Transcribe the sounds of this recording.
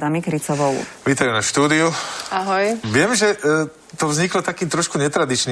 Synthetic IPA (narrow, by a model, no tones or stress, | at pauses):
d̪amikɾit͡sɔʋɔʊʋiːt̪ajunaʃt̪uːd̪iuaɦɔjʋɪɛmʒɛ | t̪ɔvzɲiklɔt̪akiːt̪ɾɔʃkuɲɛt̪ɾad̪it͡ʃniː